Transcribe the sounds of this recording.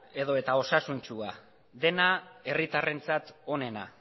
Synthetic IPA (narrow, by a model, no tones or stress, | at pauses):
e̞ðo̞e̞t̪ao̞sasunt͡ʃua | d̪e̞nae̞rit̪are̞nt͡sat̪o̞ne̞na